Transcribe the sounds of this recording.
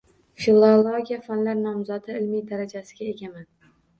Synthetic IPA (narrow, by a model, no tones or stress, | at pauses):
filˠolˠoɡʲijafanlaɾnɒmzad̪ɪɪlmijd̪aɾad͡ʒasɪɡʲae̞ɡʲaman